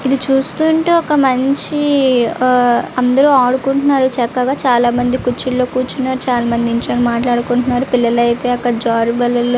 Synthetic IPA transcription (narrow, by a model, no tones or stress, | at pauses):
id̪it͡ʃuːst̪uːɳʈeːɔkɐmɐɲt͡ʃi | ɐnd̪ɐɾuːaːɽukuɳʈunːaːɾut͡ʃɛkːɐɡaːt͡ʃaːlaːmɐnd̪ikut͡ʃːillo̞ːkuːt͡ʃunːaːɾut͡ʃaːlaːmɐnd̪iiɲt͡ʃɐːnimaːʈlaːɽukuɳʈunːaːɾupilːɐlɐjt̪e̞ːɐkːɐɽɐd͡ʒaːɾibɐlɐl